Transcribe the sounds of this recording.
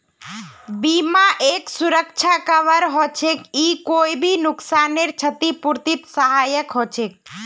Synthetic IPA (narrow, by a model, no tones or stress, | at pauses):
bimaʔeksuɾək̚t͡ʃʰakəʋəɾɦot͡ʃʰekikoibʱinʊksaneɾt͡ʃʰət̪ipuɾt̪ip̪səɦajəkɦot͡ʃek̚